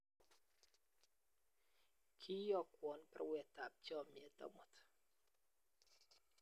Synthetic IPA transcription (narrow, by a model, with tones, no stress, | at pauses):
kʰi˦jɔ˦˨kwɔ˨npɛ̰˦ɾwɛ˨ta˨p̚t͡ʃɔ˦˨mjɛ˨t̪a̰˦mɔ˨t̪